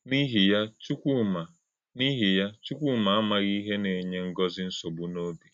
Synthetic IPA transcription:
ni˦ɦi˨ja˦t͡ʃu˦kʷu˦ma˨ | ni˦ɦi˨ja˦t͡ʃu˦kʷu˦ma˨a˦ma˨ɣi˦ɦe˦ne˨ɲe˦ŋ̩˦ɡɔ˦zɪ˦n̩˦so˨bu˦no˦bi˨

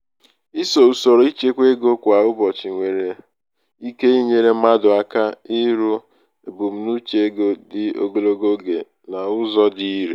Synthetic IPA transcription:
i˦so˨u˨sɔ˨ɾo˨˦i˦t͡ʃe˦kʷe˦ɡo˦kʷa˨ʊ˦bɔ˨t͡ʃɪ˨ŋʷe˨ɾe˨ | i˦ke˦i˦ɲe˦ɾe˦ma˦dʊ˨a˦ka˦ɪ˦ɾu˦ | e˨bʊ˨m̩˦nu˦t͡ʃe˦e˦ɡo˦dɪ˨o̰˨ɡo˦lo˦ɡo˦ɡe˨ | na˨ʊ˦zɔ˦di˦ɾḛ˨

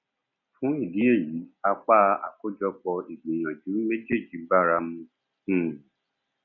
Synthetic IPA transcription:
fũ˨˦i˦˨di˨˦e˦˨ji˨˦a˧k͡pa˦a̰˨ko˦d͡ʒɔ˧k͡pɔ˧i˨ɡ͡be˨j̃ã˨d͡ʒu˨˦me˦d͡ʒe˦˨d͡ʒi˨˦ba˦˨ɾa˧mũ˧˨

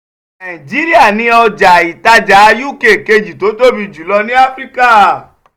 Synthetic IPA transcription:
nã˨ĩ˨d͡ʒi˨˦ɾi˦a˦˨nĩ˧ɔ˧d͡ʒa˨i˨ta˧d͡ʒa˨˦˧ju˦˨ke˨ke˧d͡ʒi˨to˨˦to˦˨bi˧d͡ʒu˨˦lɔ˧nĩ˦a˦fɾi˦ka˦˨

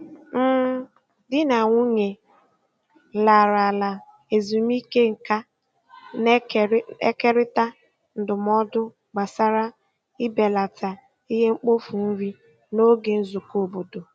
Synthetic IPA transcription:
m̩˦ | dɪ˦na˨ŋʷʊ˦ɲe˨ | la˨ɾa˨la˨ | e˨zu˨m˦i˦ke˦ŋ̩˨ka˦ | n˦e˦ke˦ɾɪ˦ta˦ | n̩˨dʊ˨m˦ɔ˦dʊ˦ | ɡ͡ba˨sa˦ɾa˦ | ɪ˦be˨la˨ta˨ | i˦ɦe˦ŋ͡m̩˦k͡po˦fu˨m̩˦ɾi˦ | no˦ɡe˨n̩˦zu˨ko˨bo˨do˨

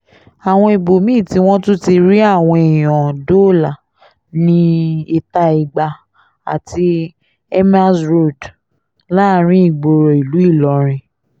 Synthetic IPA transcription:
a˨w̃ɔ̃˧i˨bo˨mĩ˦˨ti˧w̃ɔ̃˦tu˦ti˧ɾi˦a˦˨w̃ɔ̃˧e˨j̃ɔ̃˨do˦˨la˨ | nĩ˦i˧ta˦i˨ɡ͡ba˧ | a̰˨ti˧ | ɛ˦ma˦sɾo˦˨d | la˦˨ɾ̃ĩ˦i˦˨ɡ͡bo˧ɾo˨i˨lu˨˦i˦˨lɔ˨˧ɾ̃ĩ˧

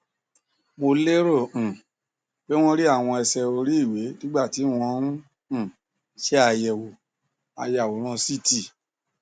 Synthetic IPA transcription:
mo˧le˦ɾõ˦˨ | bɛ˦w̃ɔ̃˦ɾi˦a˦˨w̃ɔ̃˧ɛ˧sɛ˧o˧ɾi˦i˦˨we˨˦nĩ˦ɡ͡ba˦˨ti˨˦w̃ɔ̃˧ɾũ˦˨ | ʃɛ˦a˧jɛ˨wo˨ | a̰˨˧ja˨wo˨˦ɾ̃ã˧si˦˨ti˦˨

